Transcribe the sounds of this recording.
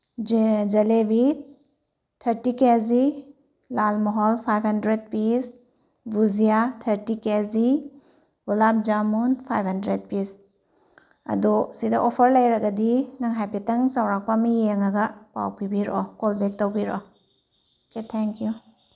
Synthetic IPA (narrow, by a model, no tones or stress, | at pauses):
d͡ʒɐlebit | tʰːɐɾtikezi | lalmɔɦɔlpʰajphandɾed̚pis | buzijatʰɐɾtikezi | bulap̚d͡ʒamunpʰajphɐndɾed̚pis | ɐ̰dusidɐ̰ʔopʰɐɾlɐjɾɐɡɐdinɐŋɦajpetɐŋsawɾak̚pamijeŋɐɡɐpa̰wpibiɾʔɔ̰kolbek̚tɐwbiɾɔ̰ | oketʰɛŋkju